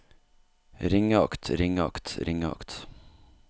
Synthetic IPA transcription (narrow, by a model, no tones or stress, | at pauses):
ɾɪŋəɑkt̪ɾɪŋɑ̰kt̪ɾɪŋəɑ̰kt̪